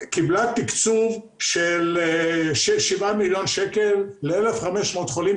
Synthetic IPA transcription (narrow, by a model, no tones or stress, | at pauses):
kiblat̪ikt͡suv | ʃelʃeʃivamiljonʃekelːeelefχameʃmot̪χolim